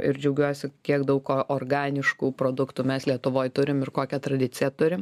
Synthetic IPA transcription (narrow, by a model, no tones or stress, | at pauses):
ɪɾd͡ʒʲɛʊɡʲuɔsʲɪkʲiɛkd̪ɐʊkoʔoːrɡɑːnʲɪʃkuːpɾoːd̪ʊkt̪uːmʲɛslʲiɛt̪ʊʋoːjt̪ʊɾʲɪmɪrkoːkʲɛt̪ɾɐd̪ʲɪtt͡sʲɪjɛt̪ʊɾʲɪm